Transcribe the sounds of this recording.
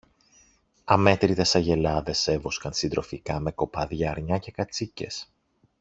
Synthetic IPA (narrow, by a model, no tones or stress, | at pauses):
ɐme̞t̪ɾiðesɐʝe̞lɐðe̞se̞vo̞skɐnsind̪ɾo̞fikɐme̞ko̞pɐðʝɐːɾɲɐce̞kɐt͡sice̞s